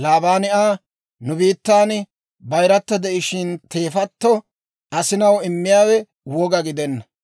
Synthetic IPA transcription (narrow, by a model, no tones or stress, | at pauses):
laːbaːnɪʔaː | nʊbiːt̪ːaːn | bɐjɾɐt̪ːɐd̪ɛʔɪʃɪnt̪e̞ːfɐt̪ːɔ | ʔɐsɪnɐwɪmːɪjaːwɛ | wɔɡɐɡɪd̪ɛnːɐ